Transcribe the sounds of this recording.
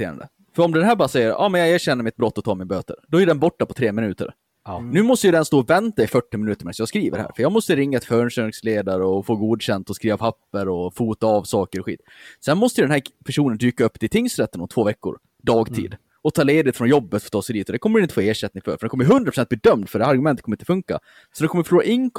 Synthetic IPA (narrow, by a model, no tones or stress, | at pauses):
ḛːɾa̰nd̪ə̰ | fœɾɔmd̪ɛnɦæːɾbɑːɾasɛjːəɾɑ̰ːmɛnjɑɡeːʂɛnːəɾmɪt̪̚bɾɔt̪ːɔt̪ʰɑːɾmɪnbøːt̪ə̰ɾd̪ɔɛæɖɛnbɔʈːapʰɔt̪ʰɾeːmɪnʉ̟ːt̪ə̰ɾ | nʉ̟ːmɔst̪əjʉd̪ɛnst̪oːɔvɛnt̪aɪfœʈːɪmɪnʉ̟ːt̪əɾmɪnsjɑːɡskɾiːvə̰ɾhæ̰ːɾfœɾjɑːɡmɔst̪əɾɪŋːaɛt̪fœnʂœɾsleːd̪aɾəɔfoːɡuːd̪ɕɛnt̪ɔskɾiːvapʰapːəɾɔfuːt̪aavsɑːkəɾɔɧḭːt̪sɛnmɔst̪əjʏd̪ɛnɦæːpʰæʂuːnənd̪yːkaɵpːd̪ɪt̪ʰɪŋsɾɛt̪ːənʊt̪ʰvoːvɛkːʊ̰ɾ | d̪ɑːɡt̪ʰḭːd̪ | ɔt̪ʰɑːleːd̪ɪt̪fɾɔnjɔbːət̪fɔt̪ʰɑːsɛd̪iːt̪ɔd̪ɛkʰɔməɾɪnt̪ə̥foːeːʂɛt̪nɪŋfœ̰ɾfœɾɖɛnkɔmːəjɦɵnd̪ɾapɾʊsɛnt̪̚bliːd̪œmd̪fœɖɛæːɾaɾɡɵmɛnət̪kʰɔmːɾɪnt̪fɵŋka̰ | sɔd̪ɛnkʰɔmːəfʂloːɾa̰ʔɪŋ